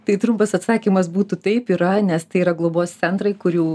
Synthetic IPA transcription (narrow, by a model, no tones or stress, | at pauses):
t̪ɐɪt̪ɾʊmpɐsɐt̪sɑːkʲimɐsbuːt̪ut̪ɐɪpiɾɐnʲɛst̪ɐɪiːɾɐɡlˠoboːstt͡s̪ʲɛnt̪ɾɐɪkʊɾʲjuː